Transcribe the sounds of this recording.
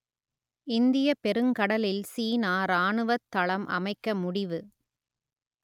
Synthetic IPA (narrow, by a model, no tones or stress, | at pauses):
ɪnd̪ɪjɐpɛɾɯŋkɐɽɐlɪlsiːnaːɾaːɳɯʋɐt̪ːɐɭɐmʔɐ̰mɐɪkːɐmʊɽɪʋɯ